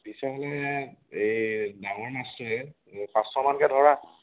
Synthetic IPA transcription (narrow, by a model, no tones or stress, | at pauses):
bisɛɦɔlɛejdaŋɔɹmastɔɛ | pastɔmankɛdʱɔɹa